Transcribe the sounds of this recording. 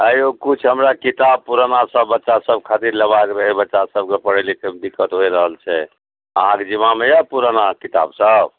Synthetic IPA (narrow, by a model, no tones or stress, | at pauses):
əjokut͡ʃʰɦəmɾakit̪ab̚puɾənasəbːətːʃasəbkʰat̪iɾləbakɾəɦɛbətːʃasəb̚kepəɽeliked̪ikːət̪ɦojɾəɦəlt͡ʃʰɛ | əɦãked͡ʒimamejapuɾanakit̪a̰bsəb̚